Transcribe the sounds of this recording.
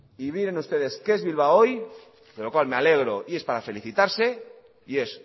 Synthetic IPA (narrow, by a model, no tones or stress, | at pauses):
iβiɾe̞nust̪e̞ðe̞skeezβilβ̞ao̞j | d̪elo̞kwalme̞ale̞ɣ̞ɾo̞ie̞spaɾafe̞liθit̪aɾse̞ | ie̞s